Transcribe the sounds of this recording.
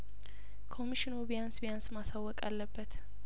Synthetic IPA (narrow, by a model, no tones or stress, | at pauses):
kʰo̞miʃinubijansbijansmasawːɔkʼa̰lːəbːət̪